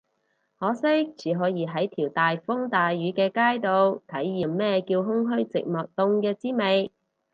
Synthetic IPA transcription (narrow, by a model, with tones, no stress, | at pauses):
hɔː˨˧˥sɪ˥t͡sʰiː˨˥ɦɔː˨˥jiː˨˧ɦɐ˨˥jt̪ʰiː˨˩wt̪aː˨jfʊ˥ŋt̪aː˨jɥyː˨˥kɛː˧kaː˥jt̪o˨˧wt̪ʰɐ˨˥jːiː˨mmɛː˥˩kiː˧wɦʊ˥ŋɦɵ˥ɥt͡sɪ̰˨k̚mɔː˨˩k̚t̪ʊ˧ŋkɛː˧t͡siː˥me˨j